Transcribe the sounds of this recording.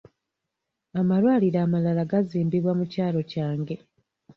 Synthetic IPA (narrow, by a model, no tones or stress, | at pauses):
amalwaːliɾaːmalalaɡaziːmbiβwamucaːlo̞caːŋɡe̞